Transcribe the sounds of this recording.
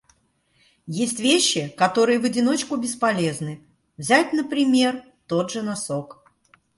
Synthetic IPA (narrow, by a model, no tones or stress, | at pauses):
jesʲtʲvʲeɕːɪkɐt̪o̞ɾɨjəvədʲɪno̞t͡ɕkʊbʲɪspɐlʲeznɨ | vzʲætʲnəpɾʲɪmʲe̞r | t̪o̞d̪ʐɨnɐso̞k